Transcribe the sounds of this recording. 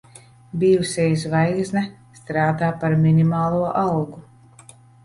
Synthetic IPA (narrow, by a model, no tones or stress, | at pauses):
bʲiːusʲɛjs̬vajɡznɛ | st̪ɾaːd̪aːpaɾminʲimaːlˠuɔʔawɡu